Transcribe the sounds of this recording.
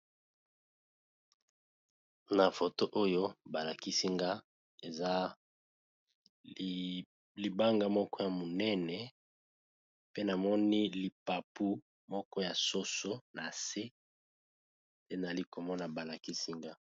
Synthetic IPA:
na˨fo˨to˦ʔo˦jo˦ba˨la˨ki˦si˦ŋɡa˦ | e˨za˦ | li˨ba˦ŋɡa˨mɔ˦kɔ˦ja˨mo˨nɛ˦nɛ˨ | pe˦na˨mɔ˦ni˦li˨pa˨pu˦ | mɔ˦kɔ˦ja˨so˦so˦na˨se˦ | te˦na˨a˨li˦ko˨mɔ˦na˨ba˨la˨ki˦si˦ŋɡa˦

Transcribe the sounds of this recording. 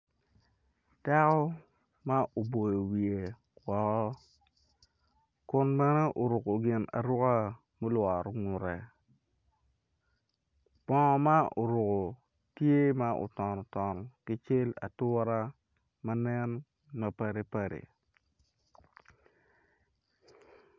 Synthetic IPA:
ta˦kɔ˦ | ma˦ʔo˨bo˨jo˨wi˨e˨ | wɔ˨kɔ˦ | kʊ˦nmɛ˦nɛ˦ʔo˨ɾʊ˨ko˨ɡɪ˨na̰˨ɾʊ˦ka˦ | mu˦lwa˨ɾo˦ŋʊ˨ɾɛ˨ | pɔ̃˨ma˦ʔo˨ɾʊ˨ko˨ | tje˦ma˦ʔo̰˨tɔ˨nɔ˨tɔ˨nɔ˨kɪ˦t͡ʃe˦la̰˨tʊ˦ɾa˦ | ma˦nɛ˦n | ma˨pa˦ɾe˦pa˨ɾḛ˨

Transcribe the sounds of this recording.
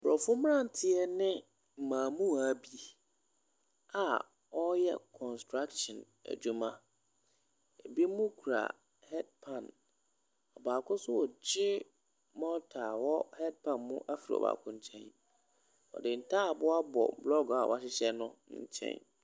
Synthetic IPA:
bɾɔ˨fʊ˦m˦ã˦˨n̩˨tʰɪ˦ɛ˦nɪ̃˦ | m̩˨mãː˨mũ˦a˨bi˨˦ | a˨ | ɔ˦jɛ˦kʰɔ̃˨nstɾa˦kʃɔ̃˨n | æ̰˨d͡ʑu˦mã˦ | e˨bi˦mʊ̃˦kʰu˨ɾa̰˨ | hɛ˦d̚pʰã˨n | ɔ˨baː˨kʰʊ̃˦sʊ˦wɔ˨d͡ʑɪ˦ | mɔ̃˦tʰaː˨wɔ˦hɛ˦d̚pʰã˨nmʊ̃˦ʔa˦fi˨ɾḭ˨ɔ̰˨ba̰ː˨kʰʊ̃˦ɲ̩˦t͡ɕʰɛ̰̃˦n | ɔ̰˨dɪ˨n̩˨tʰaː˦˨bʊ˦a˦bɔ̰˨blɔ˦ɡa˨wʔa˨ɕɪ˦ɕɛ˦nʊ̃˦ɲ̩˦t͡ɕʰɛ̰̃˦n

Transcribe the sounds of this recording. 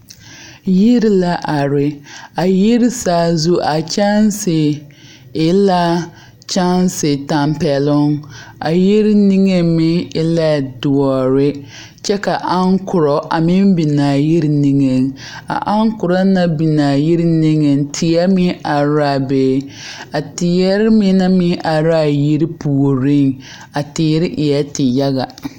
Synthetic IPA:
ji˦ɾla˦ʔa˨ɾɪ˨a˨ji˦ɾɪ˦saː˨˦˨zu˦ʔa˨t͡ʃa˦n˦sɪ˨ | ɪ˦la˦ | t͡ʃa˦n˦sɪ˨ta˨mpɛ˨lʊ˦ŋa˨ji˦ɾni˦ŋe˦mɪ˦ɪ˦la˦dʊ˨ɔ˨ɾɪ˦ | t͡ʃɛ˦ka˨ʔa˦ŋkʊ˨ɾɔ˨ʔa˨mɪ˦m˦bi˨na˨ji˦ɾni˦ŋe˨ŋ | a̰˨ʔa˦ŋkʊ˨ɾa˦na˦bi˨na˨ji˦ɾni˦ŋe˨n˦tʰɪ˨jɛ˦mɪ˦ʔa˨ɾa˦˨beː˦ | a˨tɪ˨jɛ˦ɾɪ˦mɪ˦na˦mɪ˦ʔa˨ɾa˦˨ji˦ɾi˦pu˨o˨ɾi˦ŋ | a˨tɪː˨˦ɾɪ˦ʔɪ˨jɛ˦tɪ˨ja˦ɣa˨

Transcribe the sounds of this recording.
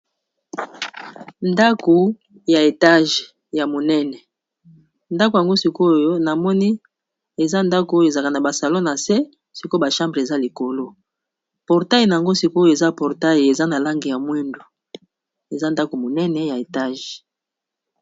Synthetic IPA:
nda˦ko˨ | ja˨e˨ta˦ʒ | ja˨mo˨nɛ˦nɛ˨ | nda˦ko˨ja˨ŋɡo˦si˦ko˦jo˦na˨mɔ˦ni˦ | e˨za˦nda˦ko˨˦jo˦e˨za˨ka˨na˨ba˨sa˨lo˦na˨sɛ˦ | si˦ko˦ba˨ʃã˦mbʁe˨za˦li˨ko˨lo˦ | pɔ˨ʁta˦ji˨na˨ja˨ŋɡo˦si˦ko˦jo˨e˨za˦pɔ˨ʁta˦ji˨e˨za˦na˨la˦ŋɡi˨ja˨mwɛ˦ndo˨ | e˨za˦nda˦ko˨mo˨nɛ˦nɛ˨ja˨e˨ta˦ʒ

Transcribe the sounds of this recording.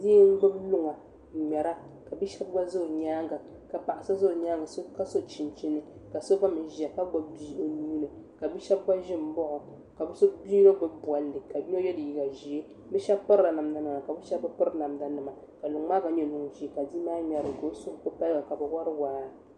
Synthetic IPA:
diː˦m̩˦bɨ˦blu˦ŋa˨ | mɛ˨ɾa˦ka˨bi˦ʃɛ˦b̚ɡa˦zo˦˨ɲaː˦ŋɡa˨ | ka˨pa˨ʔa˨sa˦zo˦ʊ˨ɲaː˦ŋɡa˨so˦ka˦so˦t͡ʃi˨n˨t͡ʃi˦nɨ˦ka˨so˦ba˦mɨ˨˦ʒi˨a˨ka˦ɡ͡ba˦bbi˦ʔo˨ni˦nɨ˨ | ka˨bi˦ʃɛ˦b̚ɡa˦ʒɪ˦m̩˦bɔ˦ʔʊ˨ | ka˨bɨ˦so˦bi˦ba˦bɨ˦bu˨a˨lːɨ˨ka˨˦ɲ˦ɛ˦jɛ˦dɨ˨ji˨ɡa˨ʒi˨e˦ | bɛ˦ʃɛ˦pɔ˦ɾɾa˨na˨mda˦nɨ˨ma˨ka˨bɛ˦ʃɛ˦bɨ˦pʊ˦ɾɨ˦na˨mda˨˦nɨ˨ma˨ | ka˨lu˨ŋ˦maː˦ɡa˨ɲɛ˦˨nu˨ŋ˨ʒi˦˨ka˨di˦maː˦ɲɛ˨ɾɨ˨ɡo˦so˦ko˦pa˦lɡa˨ka˨bɨ˨wa˦ɾɨ˦waː˨˦˨ɾa˨

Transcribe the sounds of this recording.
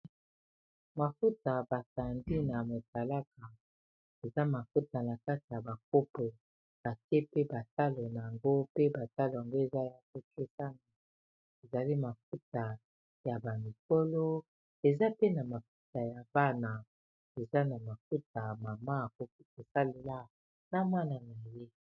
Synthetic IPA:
ma˨fu˦ta˨ba˨sa˨ndi˦na˨mo˨sa˨la˦ka˨ | e˨za˦ma˨fu˦ta˨na˨ka˦ti˨ja˨ba˨k̚o˦po˨ | b̥a˨ke˦pe˦ba˨ta˦lo˨na˨ja˨ŋɡo˦pe˦ba˨ta˦lo˨ja˨ŋɡo˦e˨za˦ja˨ko˦ke˦sa˦na˨ | e˨za˨li˦ma˨fu˦ta˨ | ja˨ba˨mi˨ko˦lo˦ | e˨za˦pe˦na˨ma˨fu˦ta˨ja˨ba˦na˨ | e˨za˦na˨ma˨ku˦t̚a˨ma˨ma˦˨ko˨ki˦e˨sa˦le˨la˦ | na˦ma˦na˨na˨je˦

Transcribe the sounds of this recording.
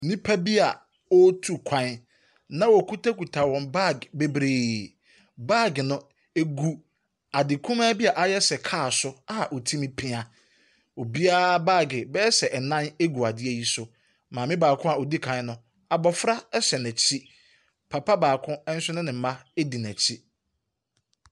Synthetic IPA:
nĩ˦pʰa˦bi˦a˨ | ɔ˦tʰu˦kʷʰã˨˦n | nã˦wɔ˨kʰu˦tʰa˦ku˨tʰa˨wɔ̃˨nba˦˨ɡbe˦bɾeː˨ | baː˦˨ɡnʊ̃˦ | e˦ɡu˦ | a˨dɪ˨kʰũ˦mãː˦bi˦a˨ʔa˦jɛ˦sɛ˨kʰaː˦˨sʊ˦a˦a˨ʔo˨tʰĩ˦mĩ˦pʰɪ̃˦a˨ | o˨bi˦aː˦ba˦˨ɡɪ˨bɛ˦sɛ˨ʔɛ˨nã˦ne˦ɡu˨a˨dɪ˦e˨ji˦sʊ˨ | mãː˨mɪ̃˦baː˨kʰʊ̃˦a˨o˨di˦kʰã˨n˦nʊ̃˦ | a˨bɔ˨fɾa˦ɛ˦ɕɛ˨næ̃˨t͡ɕʰi˦ | pʰa˨pʰa˦baː˨kʰʊ̃˦ɛ˦n̩˦sɪ˦nɪ̃˦nɪ̃˨m̩˦mã˦e˦di˨næ̃˨t͡ɕʰi˦

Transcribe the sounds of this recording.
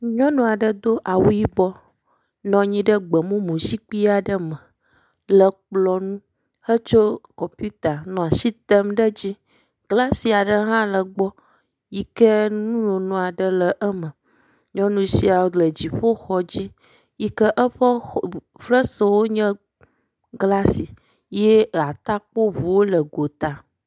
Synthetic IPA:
ɲɔ̃˦nɔ̃˨a˨ɖə˦d̪o˦ʔa˨wu˦ji˦bɔ˦ | nɔ̃˨ɲĩ˦ɖə˦ɡ͡bə˨mũ˦mũ˨si˦k͡pi˦a˨ɖə˦mə̃˨ | lə˨k͡plɔ˨nũ˦ | hə˦t͡ʃo˦kɔ˨mpu˦t̪a˨nɔ̃˨a˨si˦t̪ə˦mɖə˦d͡ʑi˦ | ɡla˦si˨a˨ɖə˦ɦã˦lə˨ɡ͡bɔ˦ | ji˦kə˦nũ˦nɔ̃˨nɔ̃˨a˨ɖə˦lə˨ʔə˦mə̃˨ | ɲɔ̃˦nũ˦si˦a˨wo˦ɡ͡blə˨d͡ʑi˨ɸo˦xɔ˨d͡ʑi˦ | ji˦kə˦ʔə˦ɸə˦ | fɾə˦so˨wo˦ɲɛ̃˦ | ɡla˦si˨ | je˦a˨t̪a˦k͡po˦vu˨wo˦lə˨ɡo˨t̪a˨

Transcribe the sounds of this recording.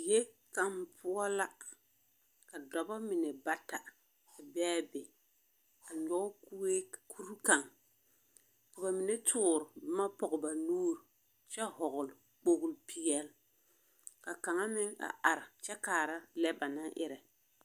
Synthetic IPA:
je˦ | ka˨mpʰʊ˦ɔ˦la˦ | ka˨dɔ˨ba˦mɪ˨nɛ˨ba˦ta˨ | a˨bɛː˦bɪ˨ | a˨ɲɔ˦ku˦e˦kʰu˦ɾu˦ka˨ŋ | ka˨ba˨mɪ˨nɛ˦tʰʊː˦˨ɾʊ˨bma˦pɔ˨ɣʊ˨ba˨nuː˦ɾ | t͡ʃɛ˦hɔ˨ɣʊ˨l | k͡po˦ɣʊ˨lpʰi˦jɛ˦l | ka˨ka˨ŋa˦mɪ˦ŋa̰˨ʔa˨ɾɪ˨t͡ʃɛ˦kaː˨ɾa˦lɛ˦ba˨na˦ʔɪ̰˦ɾɛ˨

